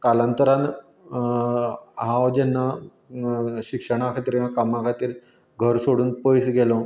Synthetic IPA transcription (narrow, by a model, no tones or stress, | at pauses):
kalant̪əɾãn | ɦãwd͡ʑɛnːa | ɕikʂəɽ̃akʰat̪iɾiãkamãkʰat̪iːɾ | ɡʱəɾsoɽuːnpəjsɡɛlo